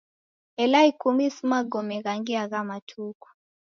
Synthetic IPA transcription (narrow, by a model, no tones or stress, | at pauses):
ɛlaikumisimaɡɔmɛɣaŋɡiaɣamatʰuku̥